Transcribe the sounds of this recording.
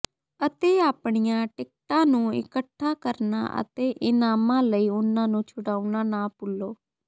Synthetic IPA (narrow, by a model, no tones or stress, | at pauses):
ət̪eːaːpɳɪjãːʈɪk̚ʈãːnũːɪ̰kəʈʰːaːkəɾna̰ːʔə̰t̪eːʔɪnaːmãːləiːʊnãːnũːt͡ʃʰʊɽaːuɳaːnaːpʊlːoː